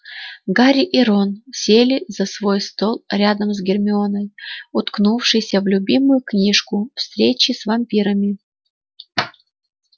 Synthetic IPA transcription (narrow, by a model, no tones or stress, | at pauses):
ɡaɾʲɪʔɪɾonsʲelʲɪzɐsvojst̪o̞lˠɾʲad̪əmzɡʲɪrmʲɪonəjʊt̪knufʂɨjsʲəvlʲʊbʲimʊjʊknʲiʂkʊfst̪ɾʲet͡ɕɪsvɐmpʲiɾəmʲɪ